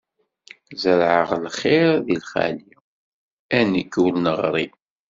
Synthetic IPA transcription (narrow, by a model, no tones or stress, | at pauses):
zəɾʕəʁlχɪɾðilχæ̰li | ænikːulnəʁɾˤi